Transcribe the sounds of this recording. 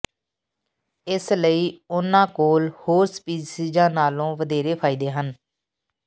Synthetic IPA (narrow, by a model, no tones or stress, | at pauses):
ɪsləiːʊnãːkoːlhoːɾspiːd͡ʒsiːd͡ʒãːnaːlõːʋəd̪eːɾeːpʰaːiːd̪eːɦən